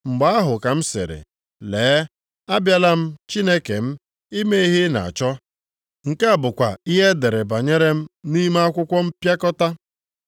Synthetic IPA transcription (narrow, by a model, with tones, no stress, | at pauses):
ŋ͡m̩˨ɡ͡ba˦a˦ɦʊ˨ka˨m̩˦sḛ˨ɾḛ˨ | leː˨˦ | a˦bja˦la˦m̩˦t͡ʃi˦ne˦ke˨m̩˦ | i˦me˦i˦ɦɪ˦na̰˨a̰˨t͡ʃɔ˦ | ŋ̩˨ka˦˨bʊ˨kʷa̰˨i˦ɦe˦de˨ɾe˨ba˨ɲe˦ɾe˦m̩˦ni˦m˦a˦kʷʊ˦kʷɔ˦m̩˦pja˦kɔ˦ta˦